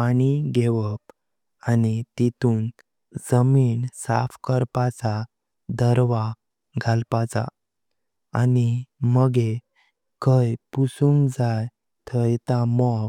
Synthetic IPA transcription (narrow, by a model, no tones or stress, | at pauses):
añiɡeʋəp | anit̪it̪uːn | d͡zəmiːnsa̰fkəɾpat͡sa | d̪əɾʋa | ɡʱalpat͡sa̰ | animəɡe | kəjpusũŋɡd͡zaj | t̪ʰəjt̪amɔ